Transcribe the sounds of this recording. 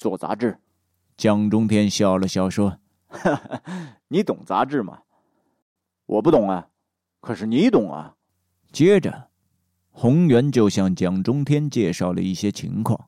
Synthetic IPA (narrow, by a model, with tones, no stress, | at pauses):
t͡swɔ˥˩t͡sa̰˧˥ʈ͡ʂɻ̩˥˩ | t͡ɕjɑ˥˩ŋʈ͡ʂʊ˥ŋt̪ʰjɛ˥nɕjɑ˥˩ʊlə˩ɕjɑ˥˩ʊʂwɔ˥ | ni˧˥t̪ʊ˨˩ŋt͡sa̰˧˥ʈ͡ʂɻ̩˥˩mɐ̰˩ | wʔɔ̰˨˩pu˥˩t̪ʊ˨˩˦ŋɐ˧ | kʰɤ˨˩ʂɻ̩˥˩ni˧˥i˧˥t̪ʊ˨˩ŋɐ̰˧ | t͡ɕjɛ˥ʈ͡ʂə̰˨˩ | xʊ˧˥ŋjɥɛ˧˥nt͡ɕjo˥˧ʊɕjɑ˥˩ŋt͡ɕjɑ˥˩ŋʈ͡ʂʊ˥ŋt̪ʰjɛ˥nt͡ɕjɛ˥˧ʂɑ˥˩ʊlə̰˩i˥˩ɕjɛ˥t͡ɕʰḭ˧˥ŋkʰwɑ̰˥˩ŋ